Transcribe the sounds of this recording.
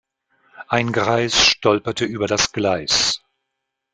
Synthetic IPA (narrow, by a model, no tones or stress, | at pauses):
ʔaɪnɡʁaɪsʃtɔlpɐtəʔyːbɐdasɡ̥laɪs